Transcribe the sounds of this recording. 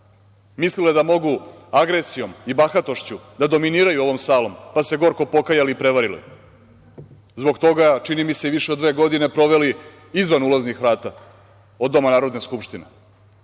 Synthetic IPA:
misliled̪amo̞ɡuaɡɾe̞sijo̞mibaxat̪o̞ʃt͡ɕud̪ad̪o̞miniːɾajuo̞ʋo̞msaːlˠo̞mpase̞ɡo̞ɾko̞po̞kajaliːpɾe̞ʋaɾilḭ | zbo̞ɡt̪oɡat͡ʃinimise̞iʋiʃeod̪ːʋe̞ːɡo̞d̪ine̞pɾo̞ʋe̞li | izʋanulaznixɾaːt̪a | od̪ːo̞manaːɾo̞d̪ne̞skupʃt̪inḛ

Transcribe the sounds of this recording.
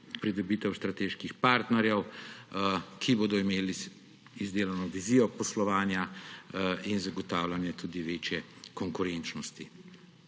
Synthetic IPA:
pɾid̪ɔbiːt̪ɛwst̪ɾat̪eːʃkixpaːɾt̪nɛɾjɛw | kʰiboːd̪ɔimeːli | izd̪eːlanɔʋiziːjɔpɔslɔʋaːnja | inzaɡɔt̪aːwlanjɛt̪uːd̪iʋeːt͡ʃjɛkɔŋkʊɾɛnt͡ʃnɔst̪i

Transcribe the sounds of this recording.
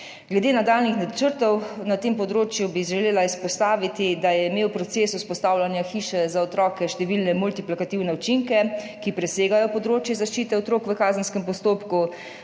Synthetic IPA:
ɡlɛd̪eːnad̪aːlnixnat͡ʃəɾt̪ɔwnat̪eːmpɔd̪ɾoːt͡ʃjubiʒɛleːlaispɔst̪aːʋit̪id̪ajɛimeːwpɾɔt̪seːsuspɔst̪awlʲanjaxiːʃɛzaɔt̪ɾɔːkɛʃt̪ɛʋilnɛmult̪iplikat̪iwnɛut͡ʃiŋkɛ | kipɾɛseːɡajɔpɔd̪ɾoːt͡ʃjɛzaʃt͡ʃiːt̪ɛɔt̪ɾoːkʋəkaːzənskɛmpɔst̪oːpku

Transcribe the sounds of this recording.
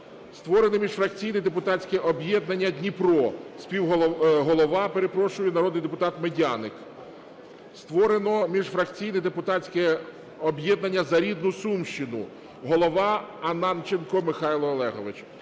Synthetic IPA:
st̪ʋɔɾenɪmʲiʒfɾɐkt͡sʲijnɛjd̪epʊt̪ɑt͡sʲkɛʔɔbjɛd̪̚nɐnʲːɐdʲnʲipɾɔspʲiwɦˠɦɔlˠɔʋɑpe̞ɾe̞pɾɔʃʊjɛnɐɾɔd̪nɪjd̪epʊt̪ɑt̪medʲanɪk | st̪ʋɔɾenɔmʲiʒfɾɐkt͡sʲijnɛd̪epʊt̪ɑt͡sʲkɛ | ɔbjɛd̪nɐnʲːɐzɐɾʲid̪nʊsumʃt͡ʃɪnʊ̰ | ɦɔlˠɔʋɑɐnɑnt͡ʃɪnkɔmɪxɑjlˠɔːlˠɛɦɔʋɪt͡ʃ

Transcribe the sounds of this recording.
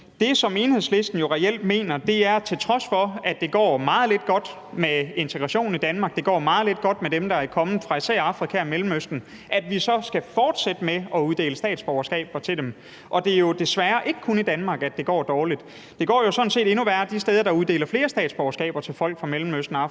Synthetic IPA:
d̥e̝sɒ̽me̝ːnhe̝sle̝sd̥n̩jo̝ʁɛel̰d̥me̝̰ːnɐd̥e̝æɐt͡sʰe̝lt͡sʰʁɒ̽sfɒ̽æd̥e̝ɡ̥ɒ̰ːmɑ̈ːð̩ˠle̝d̥ɡ̥ɒ̽d̥ | mee̝nt͡sʰeɡ̥ʁɑ̈ɕo̝̰ːn̩id̥ænmɑ̈ːɡ̥d̥e̝ɡ̥ɒ̰ːmɑ̈ːð̩ˠle̝d̥̚ɡ̥ɒ̽d̥med̥emd̥ɑ̈ækʰɒ̽mn̩fʁɑ̈isɛ̰ɐɑ̈fʁikʰæmelm̩øsd̥n̩ | ʔæd̥ʋisɒ̽sɡ̥æfɒːd̥sed̥əmeɒ̽uð̞ˠd̥e̝̰ːləsd̥ɛ̰ːd̥sb̥ɒʊɐsɡ̥ɛ̰ːb̥ɐt͡sʰe̝ldem | ʔɒ̽d̥e̝jo̝d̥e̝sʋæːɐʔe̝ɡ̥əkʰunid̥ænmɑ̈ːɡ̥æd̥e̝ɡ̥ɒ̰ːd̥ɒːlid̥ | d̥e̝ɡ̥ɒ̰ːjo̝sɒ̽n̩se̝̰ːd̥e̝nuʋæɐd̥isd̥eːð̞ˠɐd̥ɑ̈uð̞ˠd̥e̝ːlɐfle̝ːɐsd̥ɛ̰ːd̥sb̥ɒʊɐsɡ̥ɛ̰ːb̥ɐt͡sʰe̝lfɒ̽l̰ɡ̥fʁɑ̈melm̩øsd̥n̩ɑ̈f

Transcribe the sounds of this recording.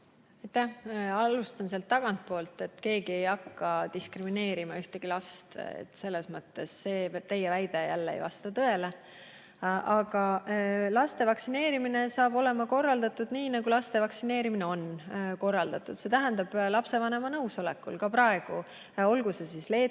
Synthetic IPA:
ɑjt̪ːæhɑlust̪ɑnseɑlt̪ːɑɡ̥ɑnt̪̚po̞ːlt̪ˑe̞t̪ːke̞ːɡ̥ie̞jɑkːɑd̪iskrimine̞ːɾimɑyht̪eɡ̥ilɑst̪ḛt̪ːse̞lːe̞smɤt̪ːe̞sːe̞ːt̪e̞jevæjd̪ejælːeḛjvɑ̰st̪ɑt̪ɤ̞e̞le | ʔɑɡ̥ɑlɑst̪e̞vɑksine̞ːɾimine̞sɑːb̥o̞le̞mɑko̞rːɑld̪ɑt̪ːud̪niːnɑɡ̥ulɑst̪e̞vɑksine̞ːɾimineo̞nːko̞rːɑld̪̥ɑt̪ːˑud̪̥se̞t̪æɦænd̪ɑb̥lɑpse̞vɑne̞mɑnɤuwso̞lekːˑṵlkɑpɾɑe̞ɡ̥u | o̞lɡusesisle̞ː

